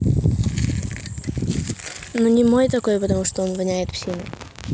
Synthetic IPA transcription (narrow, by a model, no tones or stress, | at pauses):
nonʲɪmo̞jt̪ɐko̞jpət̪ɐmuʂt̪oonvɐnʲæjɪt̪fsʲinə